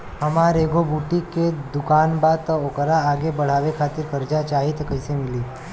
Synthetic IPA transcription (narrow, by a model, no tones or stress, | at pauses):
ɦɐmaːɾeːɡobuːʈiked̪ʊkaːnbat̪oːkəɾaaːɡebɐɽ̤aːʋekʰaːt̪ɪɾkɐɾd͡ʒat͡ʃaːɦit̪kɐɪsemɪliː